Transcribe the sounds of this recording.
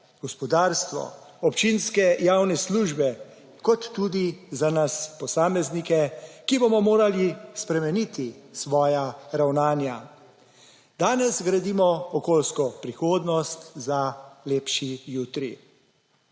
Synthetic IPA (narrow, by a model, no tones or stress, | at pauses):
ɡ̥ɔspɔd̪aːɾst̪ʋɔ̰ | ɔpt͡ʃinskɛjawnɛsluːʒbɛ | kɔt̪ːuːd̪izanaspɔsaːmɛznikɛkibomɔmoːɾalispɾɛmɛnit̪isʋɔːjaɾawnaːnja | d̪aːnɛsɡɾad̪iːmɔɔkoːlskɔpɾixoːd̪nɔst̪zaleːpʃijuːt̪ɾi